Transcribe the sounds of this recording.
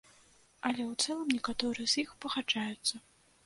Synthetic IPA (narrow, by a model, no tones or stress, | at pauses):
ɐlʲɛwt̪sɛlˠɐmnʲɛkat̪ɔɾɨjɛzjixpɐxad͡ʐajut̪sːɐ